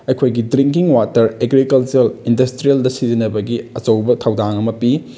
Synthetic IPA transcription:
ɐjkʰojɡidɾiŋkiŋwatɐɾeɡɾikɐlt͡ʃuɾɐlindɐstɾieldɐsizinɐbɐɡiɐt͡ʃɐwbɐtʰɐwdaŋɐmɐpi

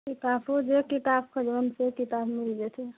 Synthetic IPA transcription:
kit̪apʰod͡ʒekit̪ab̚kʰəd͡ʒbənsekit̪abmild͡ʒɛt̪ʰɛ

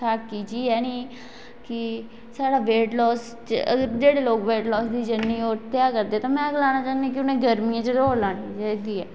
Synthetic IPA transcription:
tʰaːkːiːt͡ʃiːɛːnĩː | kɪ | saːɽaːʋeːʈlɔːs | t͡ʃəə̰ɡəɾd͡ʒeːɽeːloːkʋeːʈlɔːsd̪iːd͡ʒənːiːoːɾt̪jaːkəɾd̪eːɛːt̪ãːmɛ̃ːəɡlaːñaːt͡ʃãːnaːk̬ɪʊnẽːɡəɾmiãːt͡ʃəd̪oːlãːɳid͡ʒed̪iːɛː

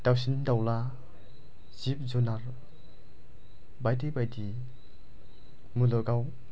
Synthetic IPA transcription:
d̥awsindawla | zip̚zunaɾ | bajdibajdi | mulɔɡaw

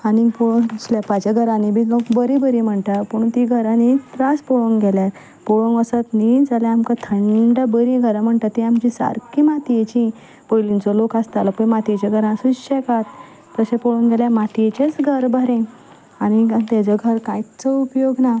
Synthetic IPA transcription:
anipoɭsljapat͡ɕaɡʱəɾãnibʱilokbəɾibəɾĩm̤əɳʈapuɳ̃t̪iɡʱəɾanit̪ɾaspɔɭoŋɡɛlja | pɔɭə̃ŋɡəsət̪nid͡zaljaamkat̪ʰəɳɖabəɾĩɡʱəɾãm̤əɳʈ̪at̪ːiamt͡ɕisa̰ɾkimat̪ijet͡ɕĩ | pojlĩnt͡sɔlokast̪alapəjmat̪ijet͡ɕaɡʱəɾãsuɕekat̪ | pəɕepɔɭoŋɡʱeljamat̪iet͡ɕet͡sɡʱəɾbʱəɾẽ | añit̪ad͡ʑɔɡʱəɾkãjt͡sɔupjoɡna

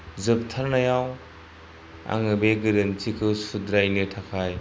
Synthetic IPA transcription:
zɯp̚tʰaɾnajaw | a̰ŋɯbeɡɯɾɯntikʰɯsudɾajnɯtʰakʰaj

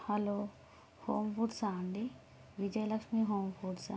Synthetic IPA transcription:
hɐlo | hoːmfuɖsaːɳɖi | ʋid͡ʒɐjlɐkʂmiɦoːmfuɖsa

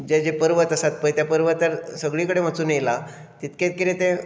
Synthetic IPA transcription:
d͡ʑed͡ʑepəɾʋət̪əsat̪̚pəjt̪japəɾʋət̪ːaɾsəɡɭikəɽemat͡suːnejla | t̪it̪ket̪̚kiɾẽt̪e

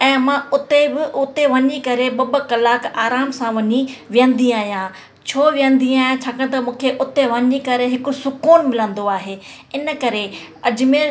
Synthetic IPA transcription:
ɛ̃ːmãʊt̪ebɪʔʊt̪eʋɐɲikɐɾeɓɐbə̆kɐlaːkaːɾaːmsãʋɐɲiʋɪjə̃nd̪iaːɦijãː | t͡ɕʰoːʋijə̃nd̪iaːɦjãt͡ɕʰaːkɐɽ̃̆t̪ɐmũːkʰeʔʊt̪eʋɐɲikɐɾeɦɪkʊsʊkuːnmɪlə̃n̆d̪oaːɦeː | ɪnəkɐɾe | ɐd͡ʑmeː

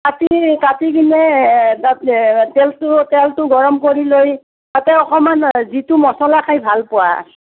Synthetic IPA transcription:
katikatiɡinɛatɛltʊtɛltʊɡɔɹɔmkoɹiloj | tatɛɔxɔmanzitumɔsɔlakʰajbʱalpʊwa̰s

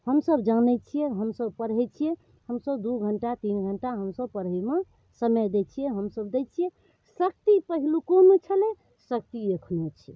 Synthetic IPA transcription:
həmsəbd͡ʒanɛt͡ʃʰijɛɦəmsəbpəɾɦɛt͡ʃʰiɛ | həmsəbd̪uɡʱəɳʈat̪inɡʱəɳʈaɦəmsəb̚pəɾɦɛme | səməd̪ɛt͡ʃʰijɛɦəmsəbd̪ɛt͡ʃʰijɛ | sək̚t̪ipəɦilukonot͡ʃʰəlɛ | sək̚t̪iekʰnot͡ʃʰi

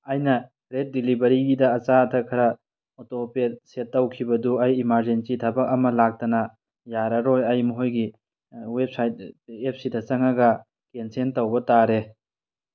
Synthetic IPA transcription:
ɐjnɐ | ɾet̚dilibɐɾiɡidɐːt͡ʃaɐtʰɐkʰɐɾɐ | otopet̚setːɐwkʰibɐduɐjimaɾd͡ʒensitʰabɐk̚ɐmɐlak̚tɐnɐ | jaɾɐɾojɐjmɐɦojɡi | wep̚sajt̚ep̚sidɐt͡ʃɐŋɐɡɐ | kensentɐwbɐtaɾe

